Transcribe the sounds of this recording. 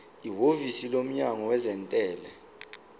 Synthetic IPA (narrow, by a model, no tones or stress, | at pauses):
iɦovisilom̩ɲaŋɔwɛzɛntʼɛːlɛ